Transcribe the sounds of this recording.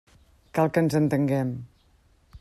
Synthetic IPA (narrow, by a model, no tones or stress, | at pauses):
kalˠkənzənt̪əŋɡɛm